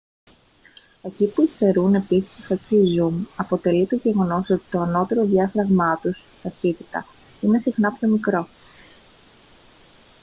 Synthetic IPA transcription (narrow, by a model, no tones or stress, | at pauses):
e̞cipuist̪e̞ɾune̞pisi̥sifɐcizumɐpo̞t̪e̞lit̪o̞ʝe̞ɣo̞no̞so̞t̪i̥t̪o̞ɐno̞t̪e̞ɾo̞ðjɐfɾɐɣmɐt̪us | t̪ɐθit̪i̥t̪ɐ | ine̞sixnɐpço̞mikɾo̞